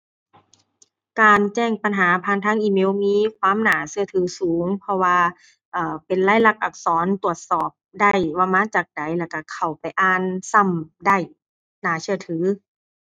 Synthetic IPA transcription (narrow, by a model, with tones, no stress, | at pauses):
kaː˨nt͡ɕɛː˧˥˩ŋpa˨nɦaː˨˦pʰaː˧˥˨nt̪ʰaː˧˥ŋʔiː˧˨meː˧˥˨wmiː˧˥˨kʰwaː˧˥˨mnaː˩˦sɯ˧ɐt̪ʰɯː˨˦suː˨˦ŋpʰɔ˧waː˧ | ʔɤː˨˩pe˨nlaː˧˥˩jla˧˥k̚ʔa˨˩k̚sɔː˨˦nt̪u˧˩ət̪̚sɔː˨˩p̚da˧˩jwaː˧maː˧˥˨t͡ɕaː˨˩k̚da˨˦jlɛ˧˩ka˧˩kʰa˨˩wpa˨˩jʔaː˧˩nsa˧˩˨mda˧˩j | naː˨˩˦sɯ˧ɐt̪ʰɯː˨˦